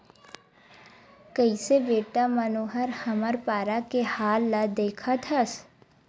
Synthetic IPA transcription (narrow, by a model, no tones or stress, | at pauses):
kəiseʋeːʈamənoːɦəɾhəməɾpaːɾakehaːlːad̪eːkʰat̪ʰəs